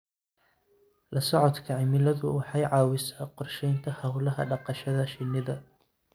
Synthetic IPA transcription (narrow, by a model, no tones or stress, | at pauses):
lɐsɔʕɔd̪kʰɐʕɪmɪlɐðʊ̰wɑħɑjʕɑːwɪsaːqɔrʃɛjnt̪ʰɐhɐwlɐɦɐ̰ɖɑqɑʃɐðɐʃɪnːɪðɐ